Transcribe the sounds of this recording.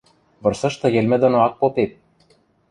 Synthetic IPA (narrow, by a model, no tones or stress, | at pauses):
βɤ̆rsɤ̆ʃt̪ɤ̆jĕlʲmɘ̆d̪ŏnoɑk̚popet̪̚